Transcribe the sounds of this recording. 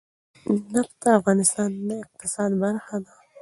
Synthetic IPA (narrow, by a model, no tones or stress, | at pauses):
napt̪aːfɣɑːnɪst̪ɑːnːaɪq̚t̪ɪsɑːd̪baɾxad̪a